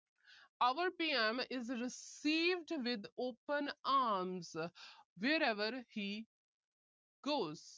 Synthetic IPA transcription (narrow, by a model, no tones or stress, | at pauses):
aʋəɾpiːɛ̃mɪzɾɪsiːʋɖʋɪd̪oːpə̃naːɾmzʋeːɾɛʋəɾhiː | ɡoːz̥